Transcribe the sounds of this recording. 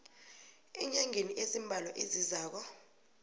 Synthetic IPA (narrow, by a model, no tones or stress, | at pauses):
ɛɲaŋʱeniʔezimbʱalɔʔezizaːk̬ɔ